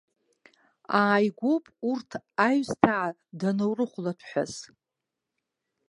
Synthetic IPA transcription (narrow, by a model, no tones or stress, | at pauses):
aːjɡʷopʼurtʰajstʰaʕː | danowrɨχʷlatʰħʷᶣa̰z̥